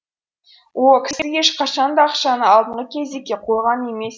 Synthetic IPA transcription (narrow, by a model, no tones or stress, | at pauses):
wokʲʰɪjeʃqʰɑʃɑnd̪ɑɑqʃɑnəɑlˠd̪əɴʁəkʲʰe̞zd̪ekʲːe̞qʰo̞jʁɑne̞me̞s